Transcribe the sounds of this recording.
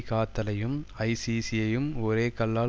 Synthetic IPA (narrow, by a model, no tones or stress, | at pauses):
kaːt̪ːɐlɐjɯmɐɪsiːsijɐjɯmɔɾeːkɐlːaː